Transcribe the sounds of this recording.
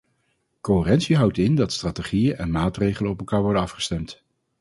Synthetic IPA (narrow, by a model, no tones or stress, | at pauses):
koɦɪːrɛntsiɦʌwtɪndɑtstraːteχijənʔɛnmaːtrejχələɔpɛlˠkaːɹʋɔɹdənɑfχə̥stɛmt